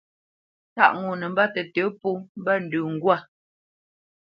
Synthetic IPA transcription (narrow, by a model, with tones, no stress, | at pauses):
ta̰˦ʔŋu˨nə˨m̩˦ba˦tɛ˨tə˨˦pu˦m̩˦ba˦n̩˨dʉ˨ŋ̩˨ɡwa˦˨